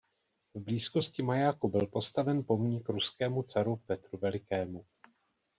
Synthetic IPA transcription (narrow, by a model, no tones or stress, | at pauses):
vbliːsko̞scɪmajakubɪlpo̞st̪avɛnpo̞mɲɪkɾuskɛːmut͡saɾupɛt̪ɾuvɛlɪkɛːmu